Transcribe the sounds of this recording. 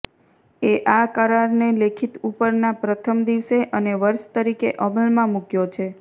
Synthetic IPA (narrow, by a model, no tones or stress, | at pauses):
eʔakəɾaɾnelekʰit̪upəɾnapɾət̪ʰəmd̪iʋseʔəneʋəɾʃt̪əɾikeʔəməlmãmukjot͡ʃʰe